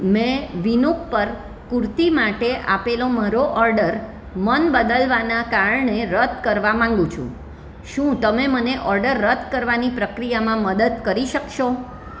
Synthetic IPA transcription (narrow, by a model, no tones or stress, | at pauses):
mɛ̃ʋinuk̚pəɾ | kuɾt̪imaʈeʔa̰peloməɾoʔɔɾɖəɾ | mənbəd̪əlʋanakaɾəɳeɾət̪̚kəɾʋamãŋ̆ɡũt͡ʃʰṵ̃ | ʃũt̪əmeməneʔɔɾɖəɾːət̪kəɾʋanipɾəkɾijamãməd̪əd̪kəɾiʃəkʃo